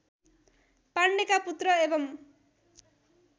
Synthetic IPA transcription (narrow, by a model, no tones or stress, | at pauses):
paɳɖekaput̪rʌebʌm